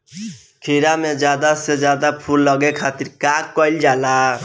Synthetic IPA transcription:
kʰiɾamẽd͡ʒad̪ased͡ʒad̪apʰulːʌɡekʰat̪iɾkakːɔjld͡ʒala

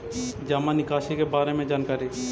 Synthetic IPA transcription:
d͡ʒaːmãnɪkaːʃikebaːɾemẽd͡ʒaːnkaːɾi

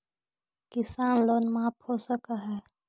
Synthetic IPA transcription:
kɪsaːnloːnmãːphoːsəkaːɦɛː

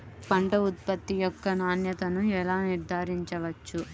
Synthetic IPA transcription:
pɐɳʈɐut̪̚pɐt̪ːijɔkːɐnaːnjɐt̪ɐnuɛlaːniɾd̪ʱaːɾiɲt͡ʃɐʋɐt͡ʃːu

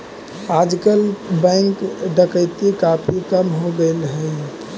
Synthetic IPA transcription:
ad͡ʒkəlbɛ̃ŋkɖəkəɪt̪ikapʰikəmɦoɡelɦəɪ

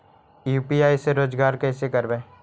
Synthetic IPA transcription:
juːpiaːiseɾoːd͡ʒɡaːɾkɛːsekəɾbẽː

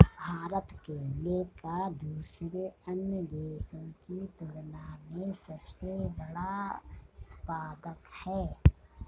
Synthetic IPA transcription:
bʱaːɾət̪keleːkad̪uːsɾeənjəd̪eːsõkit̪ʊɽnamẽsəbsebəɽa | paːd̪əkhɛː

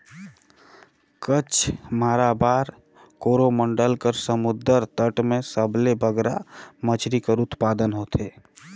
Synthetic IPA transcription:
kət͡ʃʰmaːɾabaːɾ | koːɾoməɳɖəlkəɾsəmʊd̪əɾt̪əʈmẽsəblebʱəɡɾamət͡ʃʰɾikəɾʊt̪paːd̪ənɦoːt̪ʰeː

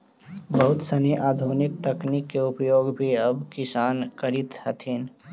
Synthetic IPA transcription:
bɐɦʊt̪səniʔaːd̪ʱoːnɪk̚t̪əknikːeʊpjoːɡbʱiɐbkɪsaːnkəɾɪt̪hət̪ʰin

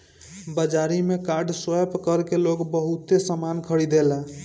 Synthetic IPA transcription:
bəd͡ʒaɾimekaɾɖswəpkəɾkeloɡbəɦut̪esəmankʰəɽid̪ela

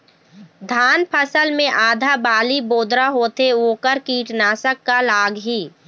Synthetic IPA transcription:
d̪ʱaːnpʰəsəlmẽʔaːd̪ʱabaːliboːd̪ɾaɦoːt̪eoːkəɾkiːʈnaːsəkːalaːɡɦiː

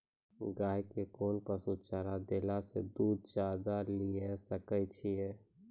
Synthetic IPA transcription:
ɡaːjkekoːnpəsut̪t͡ʃaɾad̪elasḛd̪uːd̪̚d͡ʒjad̪alijesəkɛt͡ʃʰije

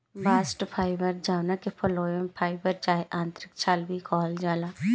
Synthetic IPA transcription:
baːsʈpʰaːɪbəɾd͡ʒaːwnakepʰɔloːəmpʰaːɪbəɾt͡ʃaːɦeʔãːnt̪ɾɪkt͡ʃʰaːlbʱikʰɔːld͡ʒaːlaː

